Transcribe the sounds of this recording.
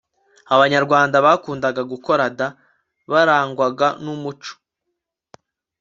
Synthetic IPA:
aβaɲaɾɡwaːndaβakuːndaɡaɡuko̞ɾada | βaɾaːŋɡwaɡanumut͡ʃo̥

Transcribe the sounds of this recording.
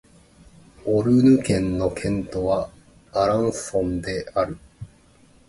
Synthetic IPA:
oɾɯ̟nɯ̟kẽ̞nːo̞kʰẽ̞nt̪o̞βa | aɾãɰ̃sõ̞nd̪e̞aɾɯ̟

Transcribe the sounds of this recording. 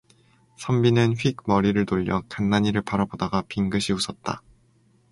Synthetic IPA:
sʰʌmbinɯnɸɥiɡ̚mʌɾiɾɯɭtoʎːjʌkanːaɲiɾɯɭpaɾabodaɡapiŋɡɯɕʰiusʰʌt̚t͈a̰

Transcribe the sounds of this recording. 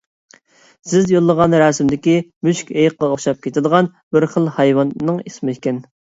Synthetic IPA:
sɪzjolˠːəʁɑnɾɑːsɪmd̪ɪkʲimyʃkʲejqːɑoχʃɑp̚kʲʰet̪ʰɪd̪əʁɑn | bɪɾχəlˠhɑjwɑnːɨŋismɪɪkʲʰɛn

